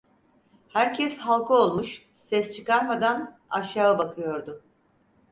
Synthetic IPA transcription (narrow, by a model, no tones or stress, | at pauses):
hæɾcʰɛshalˠkʰɯo̞lˠmuʃ | sɛst͡ʃʰɯkaɾmad̪an | aʃaːabakʰɯjo̞ɾd̪ʊ